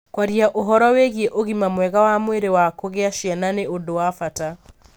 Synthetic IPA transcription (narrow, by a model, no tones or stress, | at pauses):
kwaɾiaʔoɦɔɾɔweɣieʔoɣimamwɛɣawamweɾewakoɣeaʃjɛnaneodowafata